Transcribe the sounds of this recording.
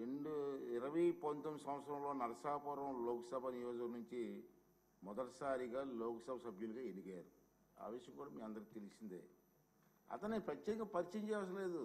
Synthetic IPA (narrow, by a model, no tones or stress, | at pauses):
ɾeɳɖuiɾɐʋɐjpɐnt̪ɐmsɐ̃mʋɐt̪sɐɾɐmloːnɐɾɐsaːpɐɾɐmloːkɐsɐbʱɐnijoːd͡ʒɐkɐnuɲt͡ʃi | mɔd̪ɐʈɐsaːɾiɡaːloːkɐsɐbʱɐsɐbʱjuliɡaːenikɐjaːɾu | a̰ːʋiʃjɐŋkuːɽaːmiːɐnd̪ɐɾkit̪elisind̪ḛː | ɐ̰t̪ɐnːipɾɐt͡ʃːɛːkɐpɐɾit͡ʃɐɲt͡ʃɛːʋaɐs̬ɐleːd̪u